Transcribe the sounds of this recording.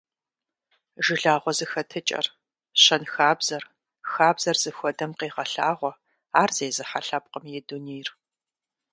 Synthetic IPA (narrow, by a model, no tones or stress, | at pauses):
ʒɪɮaːʁʷɔzɨxɐtʰɨt͡ʃʼɐ̰r | ɕɐnxaːbzɐr | xaːbzɐrz̥ɨxʷɔdɐmqeːʁɐɬaːʁʷɔ | aːrz̥ejzɨħaɬɐp̚qʼəmjɛduneːjr